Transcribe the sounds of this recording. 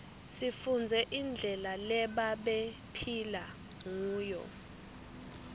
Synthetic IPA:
sifund͡zʱɛʔind͡ɮʱɛlalɛɓaɓe | pʰila | ŋuːjɔ̰

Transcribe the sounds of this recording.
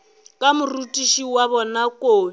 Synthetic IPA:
kʼamurutʼiʃiwaβɔnakʼoː

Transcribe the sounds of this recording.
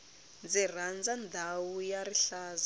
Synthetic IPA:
nd͡zir̤and͡zand̪ʱawujaɾiɬaːza

